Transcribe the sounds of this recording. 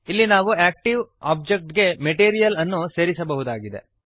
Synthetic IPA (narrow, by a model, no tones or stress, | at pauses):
ilːinaːʋuæːk̚ʈiʋaːb̚d͡ʒek̚ʈɡe̞meʈiːɾijɐlɐnːuse̞ːɾisɐbɐɦud̪aːɡid̪e̞̰